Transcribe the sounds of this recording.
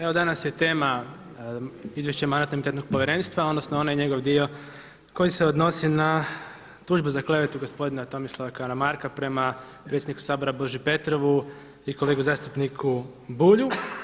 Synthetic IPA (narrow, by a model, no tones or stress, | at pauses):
e̞ʋo̞d̪anasjet̪e̞ːma | izʋjeʃt͡ɕemanat̪nimit̪et̪no̞ɡ̚poʋjeɾe̞ːnst̪ʋao̞d̪no̞snoo̞najeɲe̞ɡo̞ʋd̪io̞ | ko̞jiseod̪no̞sina | t̪uːʒbuzaklˠe̞ʋet̪uɡo̞spo̞d̪inat̪o̞mislˠaʋakaɾamaɾkapɾe̞ma | pɾe̞t̪sʲjed̪niku̥saːbo̞ɾabo̞ʒipe̞t̪ɾo̞ʋu | iko̞leːɡuzaːst̪upnikʰu | buːʎu